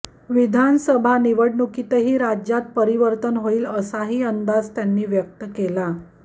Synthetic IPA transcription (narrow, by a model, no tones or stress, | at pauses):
ʋid̪ʱansəbʱaniʋəɽɳukit̪əɦiːɾad͡ʑjat̪̚pəɾiʋəɾt̪ənɦoiːləsaɦiːənd̪ad͡zt̪janːiːʋjək̚t̪əkela